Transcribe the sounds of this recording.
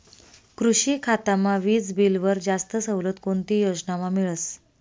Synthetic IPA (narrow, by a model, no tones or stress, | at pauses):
kɾuɕiːkʰat̪amaʋiːt͡sbilʋəɾd͡zast̪əsəwlət̪kont̪ijod͡znamamiɭəs